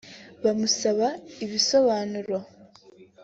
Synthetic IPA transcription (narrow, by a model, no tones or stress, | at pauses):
βamusaβaiβiso̞βaːnuɾo